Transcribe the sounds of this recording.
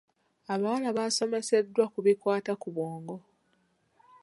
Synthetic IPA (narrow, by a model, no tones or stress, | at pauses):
aβawalaβaso̞me̞se̞dːwakuβikwaːtakuβoːŋɡo